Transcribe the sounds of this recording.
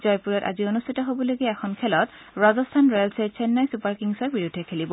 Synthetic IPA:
zɔjpuɹɔta̰zionustʰitɔɦobɔloɡɛɛxʰɔnkʰɛlɔt | ɹazɔstʰanɹɔjalsɛt͡ʃʰɛnːajsupaɹkiŋsɔɹbiɹudʱːɛkʰelibɔ

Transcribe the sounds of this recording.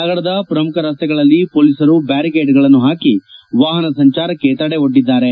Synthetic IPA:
ɐɡɐɽɐd̪ɐpɾɐmukʰɐɾaːst̪ɛɡɐɭɐlːipoːliːsɐɾubaːɾikeːɖɡɐɭɐnːuɦaːkiʋaːɦɐnɐsɐɲt͡ʃaːɾɐkːe̞t̪ɐɽeoɖːid̪ːaːɾe

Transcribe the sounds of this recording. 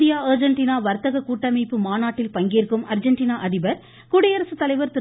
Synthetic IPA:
d̪ɪjaːɐːɾd͡ʒɐɳʈiːnaːʋɐɾt̪ɐɣɐkuːʈːɐmiɪpːɯmaːnaːʈːɪlpɐŋɡeːɾkɯmɐɾd͡ʒɐɳʈiːnaːʔɐðɪbɐɾ | kuːɽɐjɐɾɐsɯt̪ːɐlɐɪʋɐɾt̪ɪ

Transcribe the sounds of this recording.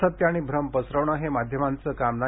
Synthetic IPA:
ət̪jaɽ̃iːbʱɾəmpəsɾəʋɳəɦemad̪ʱjəmant͡səkamna

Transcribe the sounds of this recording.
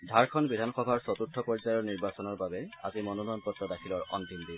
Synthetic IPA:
dʱaɹkʰɔnbidʱanxɔbʱaɹsɔt̪utʰːɔpɔɹisajɔɹniɹbasɔnɔɹbabɛa̰zimɔnunɔnpɔtːɹɔdakʰilɔɹɔ̰nt̪imdi

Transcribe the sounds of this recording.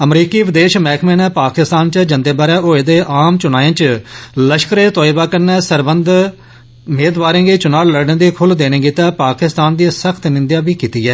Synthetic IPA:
əmɾiːkiːʋɪd̪eːʃmɛːkʰmẽːnɛːpaːkɪst̪aːnt͡ʃəd͡ʒə̃nd̪eːbaːɾɛːoːeːd̪eːʔaːmt͡ʃʊnaːjẽːt͡ʃləʃkəɾeːt̪ɔːibaːkəɾnɛːsəɾbənd̪ | meːd̪ʋaːɾẽːɡeːt͡ʃʊnaːɽləɽnẽːd̪iːkʰʊld̪eːnẽːɡiːt̪aːpaːkɪst̪aːnd̪iːsəkʰt̪nɪ̃nd̪jaːbiːkiːt̪iːɛː

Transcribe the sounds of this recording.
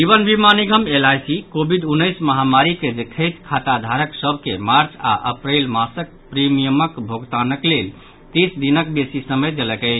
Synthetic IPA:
d͡ʒibənbʱimaniɡəmelajsikobʱid̪unːəɪsməɦamaɾiked͡ʒet̪ʰəjt̪kʰat̪ad̪ʱaɾəksəbʱkemaɾt͡ʃa̰ʔə̰pɾelmasək̚pɾimijəməkbʱoɡt̪anəklel | t̪isd̪inək̚besisəməjd̪eləkə

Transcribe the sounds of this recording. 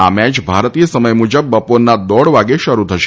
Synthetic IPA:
a̰mɛt͡ʃbʱaɾt̪ijəsəməjmud͡ʒəbːəponːad̪ɔɽʋaɡeʃəɾut̪ʰəʃe̥

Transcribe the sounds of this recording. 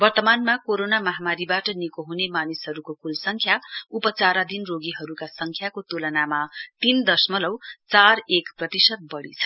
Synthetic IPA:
bʌrt̪ʌmanmakoɾonamʌɦamaɾibaʈʌnikoɦunemanisɦʌɾukokulsʌŋkʰjaupʌt͡saɾad̪ʱinroɡiɦʌɾukasʌŋkʰjakot̪ulʌnamat̪ind̪ʌsmʌlʌwt͡sarekprʌt̪isʌt̪̚bʌɽḭt͡sʰʌ̥

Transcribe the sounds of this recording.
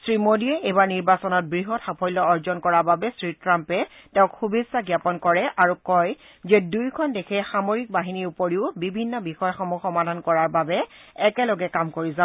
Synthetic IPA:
sɹimodiɛebaɹniɹbasɔnɔt̚bɹiɦɔtxapʰɔjlɔɔɹzɔnkɔɹaɹbabɛsɹitɹampɛ | tɛʊ̃kxubizaɡjapɔnkɔɹɛʔaɹukɔj | zɛdujkʰɔndekʰɛxamoɹik̚baɦiniupoɹiʊbibʱinːɔbixɔjxɔmuxɔmadʱankɔɹaɹbabɛɛkɛlɔɡɛkamkoɹiza

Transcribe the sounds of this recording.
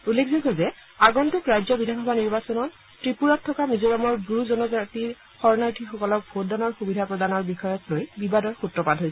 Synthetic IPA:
ulːekʰzikɦozɛ | aɡɔntukɹajzɔbidʱanxɔbʱaniɹbasɔnɔn | tɹipuɹatʰːɔkamizoɹɔmɔɹbuɹuzɔnɔzatiɹ | xɔɹnaɹtʰixɔkɔlɔk̚bʱot̚danɔɹxubidʱapɹɔdanɔɹbixɔjɔklojbibadɔɹxutɹɔpadɦojsɛ

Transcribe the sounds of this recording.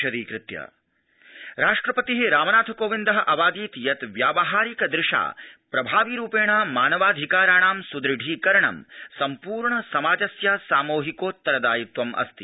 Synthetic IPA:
ɐd̪iːkɾɪt̪jɐ̰ | ɾaːʂʈɾɐpɐt̪iɦeɾaːmɐnaːt̪ʰɐkoːʋind̪ɐɦɐʔɐʋaːd̪iːt̪jɐt̪ʋjaːʋɐɦaːɾikɐd̪ɾɪʂa̰ːpɾɐbʱaːʋiɾuːpeːɳaːmaːnɐʋaːd̪ʱikaːɾaːɳaːmsud̪ɾɪɖʱiːkɐɾɐɳɐ̰msɐmpuːɾɳɐsɐmaːd͡ʒɐsjaːsaːmoːɦikoːt̪ːɐɾɐd̪aːjut̪ʋɐmʔɐ̰st̪i

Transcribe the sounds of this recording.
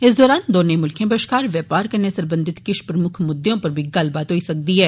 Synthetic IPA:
ɪs̬d̪ɔːɾaːnd̪oːnemʊlkʰjẽbəʃkaːɾʋjɛːpaːɾkɐɾnesɐ̃ɾbə̃nd̪ʱɪt̪kɪʃpɾəmʊkʰmʊd̪jõpɐɾbʱiɡɐlbaːt̪ɦoːisɐk̚d̪iɦɛː

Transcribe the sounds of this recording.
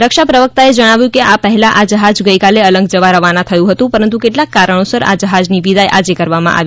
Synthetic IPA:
ɾəkʃapɾəʋək̚t̪aed͡ʒəɽ̃aʋjũkeʔapəɦɛlaʔad͡ʒəɦad͡ʒɡəjkaleələ̃ŋɡd͡ʒəʋaɾəʋanãt̪ʰəjũɦət̪ũpəɾənt̪ukeʈlakːaɾəɳ̃osəɾa̰d͡ʒəɦad͡ʒniʋid̪ajʔad͡ʒekəɾʋamã̰ʔa̰ʋi

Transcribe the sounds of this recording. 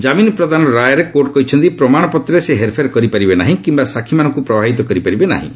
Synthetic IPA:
d͡ʒaminpɾɔd̪anɔɾajɔɾekoʈ̚kɔɦit͡ʃʰɔnt̪ipɾɔmaɽ̃ɔpɔt̪ɾɔeseɦeɾpʰeɾkɔɾipaɾibenaɦĩkimbasakʰimanɔ̃ŋkupɾɔbʱaɦit̪ɔkɔɾipaɾibena̰ɦḭ̃

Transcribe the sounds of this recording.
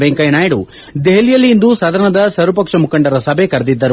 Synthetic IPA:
ʋeŋkɐjɐnaːjɐɽu | d̪eɦɐlijɐlːiind̪usɐd̪ɐɾɐɳnɐd̪ɐsɐɾɐpɐkʂɐmukɐɳɖɐɾɐsɐbʱe̞kɐɾɐd̪id̪ːɐɾu

